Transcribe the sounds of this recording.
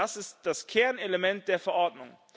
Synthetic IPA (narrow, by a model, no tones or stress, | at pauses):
asɪstd̥askʰɛɐneləmɛnt̚d̥eːɐfɛɐʔɔɐdnʊŋ